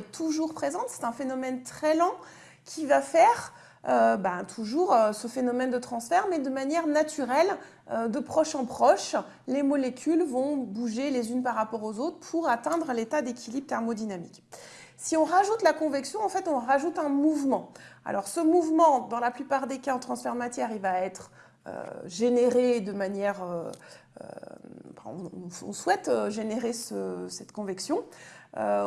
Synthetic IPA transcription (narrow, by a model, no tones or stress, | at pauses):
ɛt̪ʰuʒuʁpχezɑ̃t̪sɛ̥t̪ɛ̃fenɔmɛnt̪χɛlɑ̃ | kʲʰivafɛʁ | øbat̪ʰuʒuʁøsəfenɔmɛnd̪ət̪χɑ̃sfɛʁmɛd̪əmanjɛʁnat̪yʁɛl | ød̪əpχɔʃɑ̃pχɔʃ | lemɔlekʲʰylvɔ̃buʒelezynpaʁːapɔʁozot̪χəpʰuʁat̪ɛ̃d̪ʁəlet̪ad̪ekʲilibʁt̪ɛʁmod̪inamḭk | siɔ̃ʁaʒut̪lakɔ̃vɛksjɔ̃ɑ̃fɛt̪ɔ̃ʁaʒut̪ɛ̃muvmɑ̃a̰lʔɔʁsəmuvmɑ̃d̪ɑ̃laplypaʁd̪ekaɑ̃t̪χɑ̃sfɛʁd̪əmat̪jɛʁilvaɛt̪χ | ø̰ʒeneʁed̪əmanjɛʁøø̰ɑ̰̃fɛ̰̃ɔ̰̃ɔ̰̃swɛt̪øʒeneʁesəsɛt̪kɔ̃vɛksjɔ̃ø